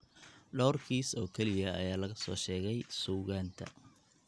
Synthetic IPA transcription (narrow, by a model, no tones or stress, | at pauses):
ɖɔwrkʰiːsɔːkʰɛlɪjɐɐjaːlɐɣɐsɔ̰ːʃɛːɣɛjsuːɣaːnt̪ʰɐ̰